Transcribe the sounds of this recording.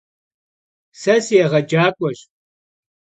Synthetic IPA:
sɐsjɛʁɐd͡ʒaːkʷʼɔɕ

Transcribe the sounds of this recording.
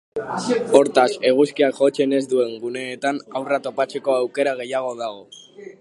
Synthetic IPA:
o̞ɾt̪ase̞ɣ̞uskiakʝo̞t͡se̞ne̞zd̪ue̞ŋɡune̞ːt̪anawrat̪o̞pat͡se̞ko̞awke̞ɾaɣ̞e̞jaɣ̞o̞ð̞aɣ̞o̞

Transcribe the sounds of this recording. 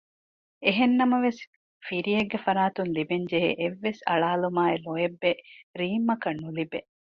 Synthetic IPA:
eɦenːɐmɐʋes | fiɾijeɡːefɐɾaːt̪unlibeɲd͡ʒeɦḛʔeʋːesɐ̰ɭaːlumaːeloebːeɾiːmːɐkɐnːulibe

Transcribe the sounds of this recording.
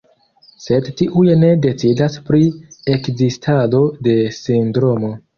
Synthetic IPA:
se̞dtiʔujne̞de̞t͡sidaspɾie̞kzistʰado̞de̞sindɾo̞mo̞

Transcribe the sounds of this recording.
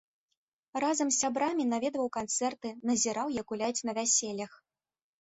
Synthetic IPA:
razɐmsʲabɾamʲinavʲɛd̪vɐwkant̪sɛrt̪ɨnɐzʲiɾawjɐkulʲajt͡sʲnɐvʲasʲelʲːɐx

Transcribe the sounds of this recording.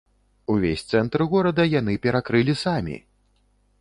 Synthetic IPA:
uvʲesʲt̪sɛnt̪ɾɣɔɾɐd̪ɐjan̪ɨpʲɛɾakɾɨlʲisamʲḭ

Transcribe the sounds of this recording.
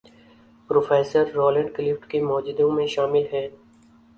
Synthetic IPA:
pɾoːfɛːsəɾːɔːlə̃ɳɖkɪlɪfʈkimɔːd͡ʒd̪õmẽʃaːmɪlɦɛː

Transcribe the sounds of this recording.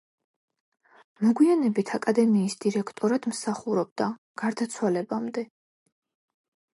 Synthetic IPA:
mɔɡwianɛbit̪ʰakʼad̪ɛmiːsd̪̥iɾɛkʰt̪ʼɔɾad̪̥msaχuɾɔb̚d̪a | ɡ̥aɾd̪at̪sʰwalɛbamd̪ɛ

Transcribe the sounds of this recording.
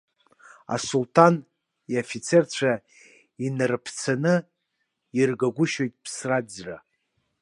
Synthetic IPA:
a̰sultʰan | iofit͡sʰert͡ɕʷʰa | inɨrɨpʰt͡sʰanɨ | irɡaɡʷʊʃo̞jtʼpʰsrad͡zra

